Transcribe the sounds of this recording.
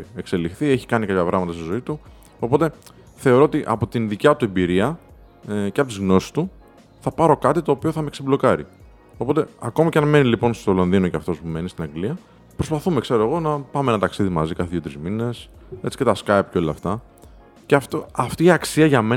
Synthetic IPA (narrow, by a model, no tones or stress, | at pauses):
ekse̞lixθie̞çi̥kɐnikɐpçɐpɾɐ̰ɣmɐt̪ɐst̪izo̞it̪u | o̞po̞t̪e̞ | θe̞o̞ɾo̞ot̪iʔɐ̰po̞t̪inðicɐt̪ue̞mbiɾiɐ | ceɐpo̞t̪izɣno̞si̥st̪u | θɐpɐɾo̞kɐt̪it̪oːpio̞θɐmeksiblo̞kɐɾḭ | o̞po̞t̪e̞ɐko̞miceɐnme̞nilipo̞nst̪olonðino̞cɐft̪o̞spume̞nist̪inɐŋɡliɐ | pɾo̞spɐθume̞kse̞ɾo̞eɣo̞nɐpɐmeenɐt̪ɐksiðimɐzikɐθeðjiot̪ɾizmine̞se̞t͡si̥ce̞t̪ɐskajpceo̞lɐft̪ɐ | ceɐft̪oɐft̪iːɐksiɐʝɐme